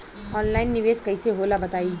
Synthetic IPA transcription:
ɔːnlaːɪnːɪʋeːskɐiseɦoːlabɐt̪aːi

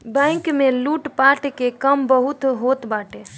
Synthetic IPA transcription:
bɛ̃ŋkmeluʈpaʈkekəmbəɦut̪ɦot̪baʈe

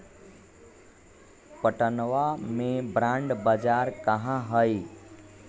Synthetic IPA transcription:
pəʈənʋamẽbɾãɳɖbəd͡ʒaːɾkəɦãɦəji

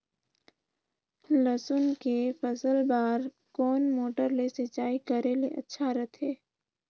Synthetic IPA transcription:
ləsʊnkefʰəsəlbaːɾ | kɔːnmoːʈəɾlesɪt͡ʃaːikəɾeleʔɐtːʃʰaɾət̪ʰɦeː

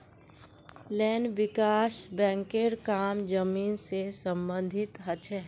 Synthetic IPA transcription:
lɛːnʋɪkaːsbɛ̃ːŋkeɾkaːmd͡ʒəmiːnsesə̃mbə̃nd̪ʱɪt̪ɦət͡ʃʰɛɦ

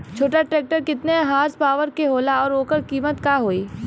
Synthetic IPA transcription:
t͡ʃʰoːʈaʈɾeːk̚ʈəɾkɪt̪neɦaːɾspaːʋəɾkeɦoːlaɔːɾoːkəɾkiːmət̪kaːɦoːiː

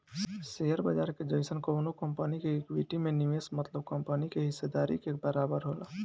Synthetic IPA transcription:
seɦəɾbəd͡ʒaɾked͡ʒəjsənkownokəmpənikeekwiʈimenimesmət̪ləb̚kəmpənikeɦisːed̪aɾḭkebəɾabəɾɦol

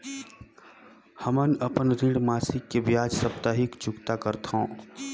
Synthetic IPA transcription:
həmənəpənɾĩɽmaːsɪkːebjaːd͡ʒsəpt̪aːɦɪkt͡ʃʊkt̪akəɾt̪õː

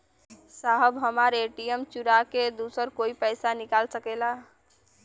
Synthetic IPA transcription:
saɦəbɦəmaɾeʈijəmt͡ʃuɾaked̪uːsəɾkoːipɛɪsanɪkaːlsəkela

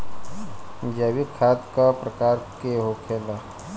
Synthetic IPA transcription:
d͡ʒaːwikʰaːt̪kapɾəkaːɾkeɦokʰeːla

